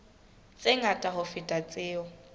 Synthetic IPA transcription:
t͡sʼeŋatʼaɦʊfɪtʼat͡sʼɪːɔ

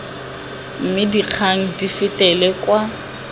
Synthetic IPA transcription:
m̩mɪdiq͡χʰaŋ̩difɪtʼɛlɛkwa

